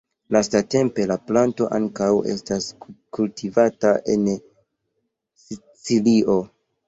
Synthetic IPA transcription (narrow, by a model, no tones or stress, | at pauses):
lastate̞mpe̞laplanto̞ʔaŋkawe̞̰staskultʰivataʔe̞n | si | t͡siliʔo